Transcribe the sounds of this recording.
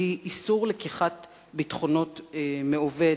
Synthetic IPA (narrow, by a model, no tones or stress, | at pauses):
iʔisuʁlekiχat | bitχono̞tmeove̞